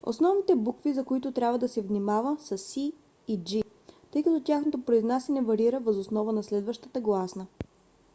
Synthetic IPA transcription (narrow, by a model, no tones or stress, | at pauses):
o̰snɔvnit̪ɛbukvizɐkoit̪ʊt̪ɾʲabvəd̪ɐsɛvnimavəsəsiː | d͡ʒi | t̪ɤjkɐt̪ɔt̪ʲjaxnot̪opɾoiznasɛnɛvɐɾiɾəvəzosnɔvənɐslɛd̪vəʃt̪ət̪əɡlˠasnə